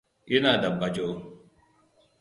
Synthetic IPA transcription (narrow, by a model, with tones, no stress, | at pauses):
ʔi˦naː˨da˨bːa˨d͡ʒo˦